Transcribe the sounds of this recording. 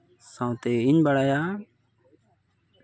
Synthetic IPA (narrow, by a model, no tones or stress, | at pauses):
sãːt̪eːɪɲbəɽaːjaː